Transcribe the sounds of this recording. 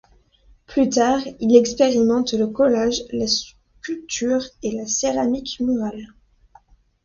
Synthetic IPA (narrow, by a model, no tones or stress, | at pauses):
plyt̪aʁilɛkspeʁimɑ̃t̪ləkɔlaʒlas | kʲylt̪ʰyʁelaseʁamikmɔʁal